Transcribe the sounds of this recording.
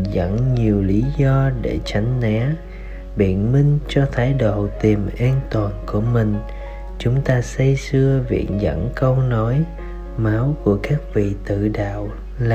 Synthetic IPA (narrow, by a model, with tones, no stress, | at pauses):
zə̰˧˥nɲi˨˩əwli˨˦zɔ˧ɗe˧˩t͡ɕa˨˦jŋ̟nɛ˨˦ | ɓḭ˧˨ənmï˧ŋ̟t͡ɕɔ˧t̪ʰaː˨˦jɗo̰˧˨t̪i˨˩mʔaː˧nt̪waː˨˩nku˧˩əmï˨˩ŋ̟ | t͡ɕʊ˨˦ŋ͡mt̪aː˧sə˧jsɨ˧əvḭ˧˨ənzə̰˧˥nkə˧wno˨˦j | ma˨˦wku˧˩əkaː˦˥k̚vḭ˧˨t̪ɨ̰˧˨ɗa̰ː˧˨w | la˨